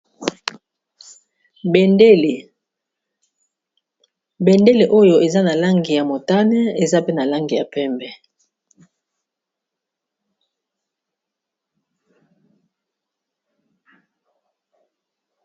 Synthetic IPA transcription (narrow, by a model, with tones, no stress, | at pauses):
bɛ˨nde˦le˨ʔo˦jo˨e˨za˦na˨la˦ŋɡi˨ja˨mo˨ta˦nɛ˦e˨za˦pe˦na˨la˦ŋɡi˨ja˨pɛ˦mbɛ˨